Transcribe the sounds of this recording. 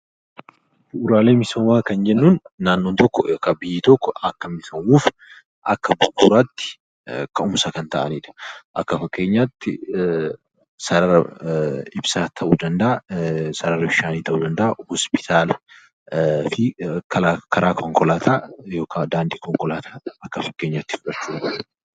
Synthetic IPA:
dʊʔʊɾaːle̞ːmɪsɐmaːkɐnd͡ʒɛnːuːnːaːnːoːnt̪ɔkːɔkɐbɪjːɪt̪ɔkːɔɐkːɐmɪsɐmuːf | ʔɐkːɐbʊt̪ːuːɾaːt̪ːɪ̥ | kɐʊmsɐkɐnt̪ɐʔɐniːᶑɐ̥ʔɐkːɐfɐkʼːe̞ːɲːaːt̪ːɪ | sɐɾɐɾɐ | ɪbsaːt̪ʰɐʔuːd̪ɐnd̪ɐʔasɐɾɐɾɐbɪʃaːniːt̪ɐʔuːd̪ɐnd̪ɐʔahɔspɪ̥t̪ʰaːlɐ | fɪkʰɐlaːkɐɾaːkʰɔŋkɔlaːt̪ʰaːjo̞ːkʰad̪aːnd̪iːkɔŋkʼɔlaːt̪ʰaːɐkːɐfɐkːe̞ːɲːaːt̪ːɪ̥fʊᶑɐt͡ʃːuːᶑ

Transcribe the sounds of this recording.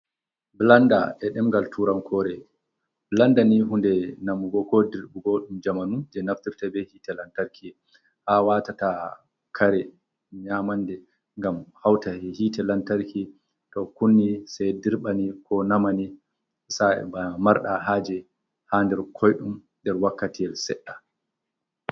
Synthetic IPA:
blanda̰ʔɛɗɛmɡaltʰuɾamkʰɔɾɛ | blandaniɦundɛnamuɡɔkɔdiɾɓuɡɔɗumd͡ʒamanud͡ʒɛnaftiɾtabɛhiːtɛlantaɾkʰi | hawatata | kʰaɾɛ | ɲamandɛ | ŋɡamhawtaɛhitɛlantaɾki | tɔkunːisajdiɾɓanikʰɔnamani | sa̰bamaɾɗaɦaːd͡ʒɛ | handɛɾkʰɔjɗum | dɛɾwakːatiɛlsɛɗːa

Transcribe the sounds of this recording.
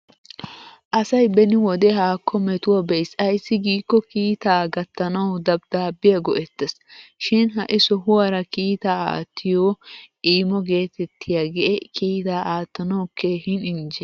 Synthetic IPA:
ʔɐsɐjbɛnɪwɔd̪ɛɦaːkʰːɔmɛt̪ʊwɐbɛjsɐjsːɪɡiːkːɔkiːt̪aːɡɐt̪ːɐnɐwd̪ɐb̚d̪̥aːbːɪjɐɡɔʔɛt̪ːɛs | ʃɪnɦɐʔɪsɔɦʊwɐɾɐkiːt̪aːa̰ːt̪ʰːɪjɔʔiːmɔɡe̞ːt̪ɛt̪ːɪjaɡɛʔɛkiːt̪aːʔaːt̪ːɐnɐwkʰːehɪnɪnd͡ʒɛ

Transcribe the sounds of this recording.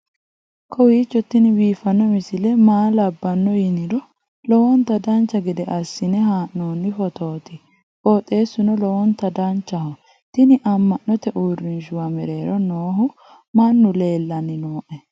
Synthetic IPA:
kʰɔwiːt͡ʃːɔt̪ːɪnɪbiːfɐnːɔmɪsɪlɛmaːlɐbːɐnːɔjɪnɪdɔ | lɔwɔnt̪ɐd̪ɐnt͡ʃːɐɡɛd̪ɛʔɐsːɪnɛɦaːʔnoːnːɪfɔt̪o̞ːt̪ɪ | koːt̪ʼe̞ːsːʊnɔlɔwɔnt̪ːɐd̪ɐnt͡ʃːɐhɔ | t̪ɪnɪʔɐmːɐʔːɔt̪ɛʔuːrːɪnʃʊwɐmɛɾe̞ːɾɔnoːɦʊ | mɐnːʊle̞ːlːɐnːɪnoːʔɛ

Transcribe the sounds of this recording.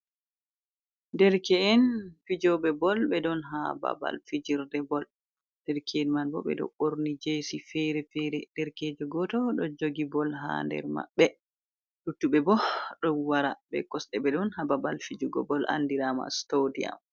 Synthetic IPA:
ndɛɾkɛɛnfid͡ʒɔɓɛbɔlbɛdɔnɦa̰ba̰ba̰lfid͡ʒiɾdɛbɔl | d̥ɛɾkʰɛɛnmanbɔbɛ̰dɔ̰ʔoɾnid͡ʒesifɛɾɛfɛɾɛd̥ɛɾkeːd͡ʒɔɡɔtɔɗɔd͡ʒoɡibɔlɦa̰ndɛ̰ɾma̰ɓːɛ | ɗutːuɓɛbɔɗɔwaɾabɛ̰kɔsɗɛbɛdɔnhababalfid͡ʒuɡɔ̰bɔlʔa̰ndiɾama̰stodia̰m

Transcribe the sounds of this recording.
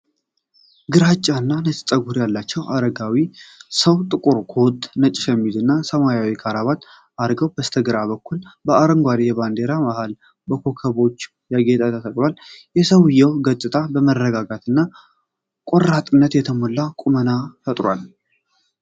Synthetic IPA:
ɡɨɾat͡ʃʼːanːanət͡ʃʼt̪ʼəɡuɾjalːat͡ʃːɛwʔa̰ɾəɡawisəwt̪ʼɨkʼuɾkʰo̞t̪ʼnət͡ʃʼɪʃɛmːid̪ɨnːasəmajawikʰaɾaβat̪ | aɾɡəwb̥əst̪ʰəɡɨɾaβəkːulbəaɾəŋɡʷaɾejɛband̪e̞ɾamahal | bəkʰo̞kʰəβo̞t͡ʃː | jaɡe̞t̪ʼat̪ʰət̪ʰəkʼlaljɛsəwjɛwɡət̪ʼːɨt̪ʼabəmərːəɡaɡat̪ʰɨnːa | kʼoɾat̪ʼɨnːət̪jɛt̪ʰəmolːakʼumənafət̪ʼɾwal

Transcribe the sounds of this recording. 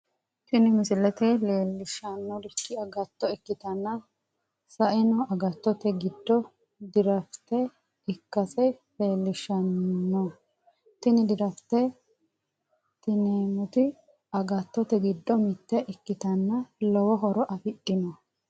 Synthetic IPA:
ʃɪnɪmɪsɪlɛt̪ɛle̞ːlːɪʃɐnːɔd̪ɪkːɪɐɡɐt̪ːɔɪkːɪt̪ɐnːɐ | sɐʔɪnɔɐɡɐt̪ːɔt̪ɛɡɪd̪ːɔ | d̪ɪɾɐft̪ɛ | ɪkːɐsɛle̞ːlːɪʃɐnːɔ | t̪ɪnɪd̪ɪɾɐft̪ːɛ | t̪ɪneːmʊt̪ɪ | ɐɡɐt̪ːɔt̪ɛɡɪd̪ːɔmɪt̪ːɛʔɪkːɪt̪ɐnːɐlɔwɔɦɔɾɔʔɐfɪɗːɪnɔ

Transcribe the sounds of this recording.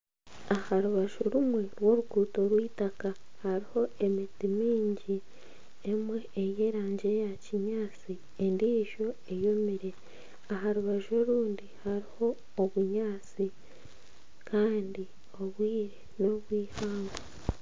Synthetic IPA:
ahaɾuβaʒoɾumwe̞ɾwo̞ɾukuːto̞ɾwiːtaka | haɾiho̞e̞mitimiːɲɟi | emwe̞ːjeːɾaːɲɟe̞jaciɲaːt͡si | endiːʒo̞e̞jo̞miɾe̞ | aɦaɾuβaʒo̞ɾuːndihaɾiho̞ː | βuɲaːt͡si | kaːndi | o̞βwiːɾeno̞βwiːhaːŋɡo

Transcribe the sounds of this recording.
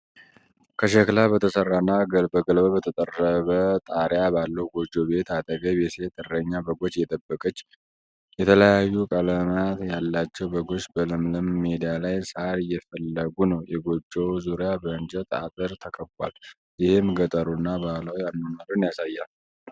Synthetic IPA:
kʰəʃəklabət̪ʰəsərːanːaɡəlbəɡəlbəbət̪ʰət̪ʼərːəβət̪ʼaɾjabalːəwɡo̞d͡ʒobe̞t̪at̪ʼəɡəβjɛse̞t̪ʼɨrəɲːabəɡo̞t͡ʃːjɛt̪ʼəbːəkʼət͡ʃː | jɛt̪ʰələjajːukʼələmat̪jalːat͡ʃːɛwbəɡo̞t͡ʃːbəlɨmləmːed̪ijalajsaɾjɛfəlːəɡunəwjɛɡo̞d͡ʒːɛwzuɾijabəɨnd͡ʒət̪a̰t̪ʼɨɾt̪ʰəkʰəkːa̰l | jɪhɪmɡət̪ʼəɾunːabalawianːonaɾunjasajːal

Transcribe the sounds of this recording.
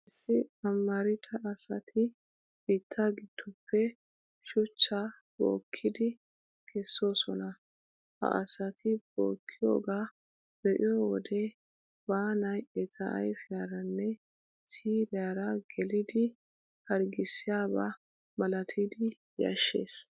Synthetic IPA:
ɪsːɪɐmːɐɾɪt̪ʰɐʔːsɐt̪ʰɪ | b̥iːt̪ʰːaɡɪd̪̥ːʊpːɛ | ʃʊt͡ʃːa | bo̰ːkʰːɪd̪ɪ | kʰɛsːo̞ːsɔnɐ | hɐ̰ʔɐ̰sɐt̪ʰɪbo̰ːkʰːɪjo̰ːɡaː | b̥ɛʔɪjowɔd̪e | baːnɐjʔɛt̪ʰɐʔɐ̰jfɪjaɾɐnːɛ | siːɾɪjaːɾɐɡ̥ɛlɪd̪ɪ | hɐɾɡɪsːɪjaːba̰ | mɐlɐt̪ʰid̪ɪ | jɐ̰ʃːe̞̰ːs

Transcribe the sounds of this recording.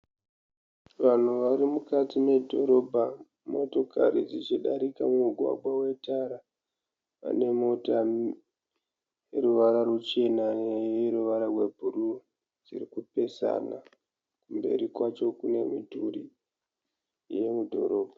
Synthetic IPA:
ʋan̤uʋaɾimukatime̞dʱo̞ɾo̞bʱa | mo̞to̞ka̰ɾid͡zit͡ʃiɗaɾikamumuɡʱwa̰ɡʱwawe̞taɾa | a̰ne̞mo̞ta | jeɾuʋaɾarut͡ʃe̞najeɾuʋaɾarwe̞bʱuɾu | d͡zḭrikupe̞sa̰na̰ | kumbe̞̰ɾikwat͡ʃo̞kune̞mituɾi | je̞mudʱo̞̰ɾo̞ːbʱa

